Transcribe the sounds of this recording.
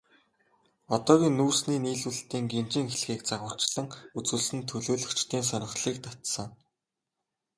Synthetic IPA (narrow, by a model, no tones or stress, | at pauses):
ɔt̪ɔːɣʲiːŋnːuːrsniːniːɮuɮt̪iːŋɡent͡ɕɪ̆ːŋxeɮxiːk̚t͡saʁə̆r̥t͡ɕɮə̆ŋut͡suːɮsɘ̆nt̪ʰɵɮoːɮɵ̆kt͡ɕt̪iːns̬œnʲɪ̆χɮiːk̚t̪ḁt̪sə̆ŋ